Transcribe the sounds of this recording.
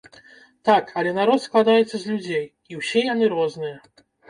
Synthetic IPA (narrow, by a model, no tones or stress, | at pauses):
t̪akɐlʲɛnaɾɔt̪sklˠad̪ajɛt̪sːɐzʲlʲud͡zʲej | iwsʲɛjanɨɾɔznɨjɐ